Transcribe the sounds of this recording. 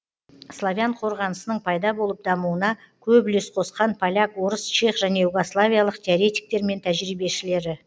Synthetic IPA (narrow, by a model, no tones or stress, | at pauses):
slˠavʲjaɴqʰo̞ɾʁɑnəsənəɴpʰɑjd̪ɑbo̞lˠəp̚d̪ɑmuwənɑ | kʲʰɵbʏlesqʰo̞sqɑnpʰalʲakwo̞ɾəst͡ʃeχʒæne̞juɡo̞slˠavʲijalˠəqt̪ʲʰeoɾʲe̞t̪ʲi̥k̚t̪e̞ɾme̞nt̪ʰæʒɾijbe̞ʃɪle̞ɾɪ